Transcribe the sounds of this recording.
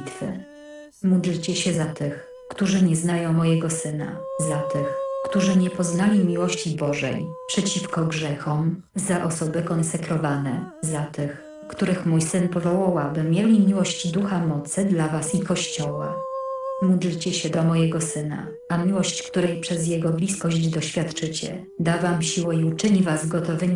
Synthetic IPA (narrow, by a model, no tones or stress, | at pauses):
t̪fɘ̰ | mud̪lt͡ɕɛɕɛzat̪ɘx | kt̪uʐɘɲɛznajɔ̃w̃mɔjɛɡɔsɘna̰zat̪ɘxkt̪uʐɘɲɛpɔznalʲimʲiwɔɕt͡ɕibɔʐɛ̰jpʂɛt͡ɕifkɔɡʐɛxɔm | zaʔɔsɔbɘkɔnsɛkɾɔvanɛzat̪ɘx | kt̪uɾɘxmujsɘnpɔvɔwawabɘmʲjelʲimʲiwɔɕd͡ʑd̪uxamɔt̪sɘd̪lavasikɔɕt͡ɕɔwa̰ | udɘt͡ɕɛɕɛd̪ɔmɔjɛɡɔsɘna̰ | amʲiwɔɕt͡ɕkt̪uɾɛjpʂɛzjɛɡɔblʲiskɔʑd͡ʑd̪ɔɕfʲjat̪t͡ʂɘt͡ɕɛ̰ | d̪avamɕiwɛiut͡ʂɘɲivazɡɔt̪ɔvɘɲ